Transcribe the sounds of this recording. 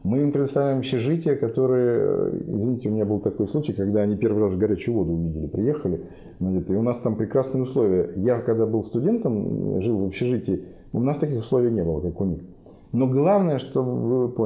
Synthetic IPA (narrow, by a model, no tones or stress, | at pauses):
mɨɪmpɾʲɪd̪əst̪ɐvlʲæɪmɐpɕʲɪʐɨtʲɪjəkɐt̪o̞ɾɨjəɪ̰zvʲɪnʲitʲɪʊmʲɪnʲabɨlˠt̪ɐko̞jsˠut͡ɕɪjkɐɡd̪aɐnʲipʲe̞rvɨrasɡɐɾʲæt͡ɕʊjʊvo̞d̪ʊʊvʲidʲɪlʲɪpɾʲɪjexəlʲɪ | znat͡ɕɪt̪ɪʊnast̪ampɾʲɪkɾasnɨjəʊslˠo̞vʲɪjəjakɐɡd̪abɨlˠst̪ʊdʲe̞nt̪əmʐɨlˠvəpɕːɪʐɨtʲɪː | ʊnast̪ɐkʲixʊslˠo̞vʲɪjnʲe̞bɨlˠəkakʊnʲix | no̞ɡlˠavnəjəʂt̪o̞vɨp